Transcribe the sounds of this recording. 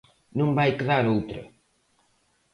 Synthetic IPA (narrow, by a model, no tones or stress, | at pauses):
nũŋbajkeðaɾowt̪ɾɐ̰